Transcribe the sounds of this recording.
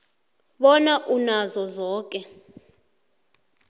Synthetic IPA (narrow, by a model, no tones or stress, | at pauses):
ɓɔnaʔunazɔzɔːk̬ʼɛ